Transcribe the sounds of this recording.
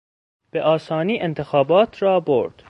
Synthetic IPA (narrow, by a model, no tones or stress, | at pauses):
b̥eʔɒːsɒːniːʔent̪ʰexɒːbɒːt̪ʰɾɒːbo̰ɾd̪̥